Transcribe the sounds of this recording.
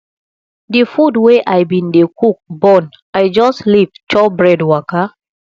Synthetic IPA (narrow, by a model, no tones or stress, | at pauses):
difudweʔajbĩndekuk̚bɔn | ajd͡ʒɔstlivt͡ʃɔbɹɛdwaka